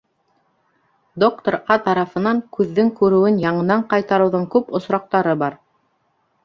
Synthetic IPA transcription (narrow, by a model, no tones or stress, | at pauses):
d̪ok̚t̪oɾɑt̪ɑɾɑfɤ̆nɑŋkʉðːɘŋkʉɾɘ̆wɘnjɑɴɤ̆nɑɴqɑjt̪ɑɾɤ̆wðɤɴkʉpŏsɾɑq̚t̪ɑɾɤbɑɾ